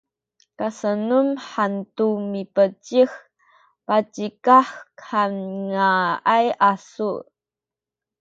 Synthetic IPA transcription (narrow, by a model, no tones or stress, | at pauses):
kasənumħantumipət͡ʃix | pat͡ʃikaħkʰanŋaajʔasu